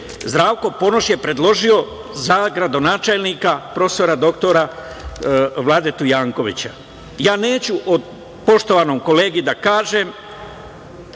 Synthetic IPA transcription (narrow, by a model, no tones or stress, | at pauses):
zd̪ɾaːʋko̞po̞no̞ʃje̞pɾe̞d̪lˠo̞ʒio̞ | zaɡɾad̪o̞naːt͡ʃelniːkapɾo̞st̪oɾad̪o̞kt̪o̞ɾa | ʋlaːd̪e̞t̪ujaːŋko̞ʋḭt͡ɕa | jaːne̞ːt͡ɕuʔod̪ | po̞ʃt̪o̞ʋano̞mko̞le̞ːɡid̪akaːʒe̞m